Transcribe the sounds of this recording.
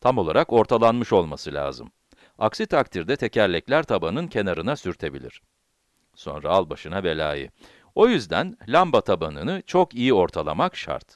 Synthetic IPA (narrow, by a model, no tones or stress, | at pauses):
t̪ʰamo̞lˠaɾako̞ɾt̪ʰalˠanmɯʃo̞lˠmasɯlʲa̰ːzɯ̰m | aksit̪ʰakt̪ʰiɾd̪ɛt̪ʰe̞cʰæɾlʲɛclʲæɾt̪ʰabanɯncʰe̞naɾɯnasyɾt̪ʰe̞bḭlʲḭɾ̥ | so̞̰nɾaalˠbaʃɯnave̞lʲa̰ːjḭ | o̞jyzd̪æ̰nlʲambat̪ʰabanɯnɯt͡ʃʰo̞kijio̞ɾt̪ʰalˠamakʃa̰ɾt̪